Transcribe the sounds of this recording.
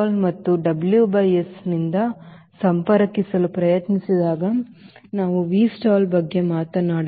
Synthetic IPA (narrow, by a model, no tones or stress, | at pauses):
lmɐt̪ːuɖɐbljubɐjesnind̪ɐ | sɐmpɐɾɐkisɐlupɾɐjɐt̪nisid̪aːɡɐnaːʋuʋiːsʈaːlbɐɡːe̞maːt̪ɐnaːɽ